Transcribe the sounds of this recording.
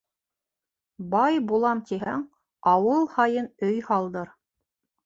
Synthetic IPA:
bɑjbulˠɑmt̪iɦæŋ | ɑwɤlˠhɑjɤnɵjhɑlˠd̪ɤɾ

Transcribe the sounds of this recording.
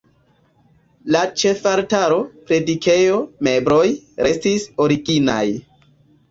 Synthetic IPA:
lat͡ʃe̞faɾtaɾo̞pɾe̞dike̞jo̞me̞bɾo̞jɾʔe̞stisoɾiɡina̰j

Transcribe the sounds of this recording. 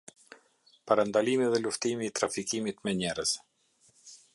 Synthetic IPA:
paɾand̪alimiðɛluft̪imiːt̪ɾafikimit̪mɛɲɛɾəz

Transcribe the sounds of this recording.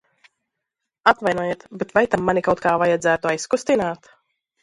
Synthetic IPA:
at̪vajnɔːjeːt̪bɛt̪vajt̪amːanikawt̪kaːvajad̪zæːt̪uajskust̪inaːt̪

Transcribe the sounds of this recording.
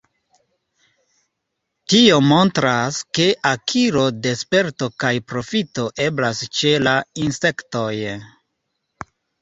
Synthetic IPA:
tio̞mo̞ntɾaske̞ʔakʰiɾo̞de̞spe̞ɾto̞kajpɾo̞fito̞ʔe̞blast͡ʃe̞lainse̞kto̞j

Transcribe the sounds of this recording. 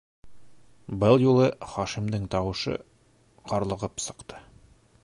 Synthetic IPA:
bɤlˠjulˠɤχɒʃimd̪ɘŋt̪ɒwɤ̆ʃɤ̰ | qʰɒɾlˠɤ̆ʁɤpsɤ̆qt̪ʰɤ̥

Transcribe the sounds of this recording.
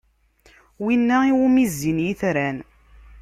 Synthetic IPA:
winːæiwumizːinjiθɾæn

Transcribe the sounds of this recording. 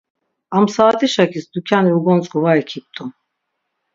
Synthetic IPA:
amsaːt̪ʰʼiʃakʰisd̪ukʰaniuɡɔnt͡sʼɡuvaɾikʰip̚t̪ʼun

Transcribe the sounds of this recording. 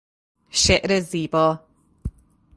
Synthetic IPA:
ʃɛʔɾɛziːbɔ

